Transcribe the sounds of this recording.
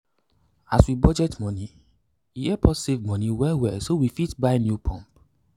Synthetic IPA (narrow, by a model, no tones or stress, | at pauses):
aswibɔd͡ʒɛtmɔ̃ni | iɛpʰɔtsevmɔ̃niwɛwɛsowifitbaɪnjupʰɔ̃mp